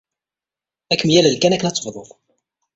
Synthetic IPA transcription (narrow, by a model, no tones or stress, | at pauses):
ækːmjæləlkænækːənɑt͡sˤːə̥fðˤo̰ðˤ